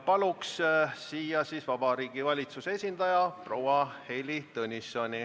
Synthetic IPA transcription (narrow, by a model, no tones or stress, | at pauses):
pɑlukssiːjɑsiːsvɑb̥ɑɾiːɡ̥ivɑlʲit̪suseesʲind̪ɑjɑprowɑhe̞jlit̪ɤnʲisːonʲi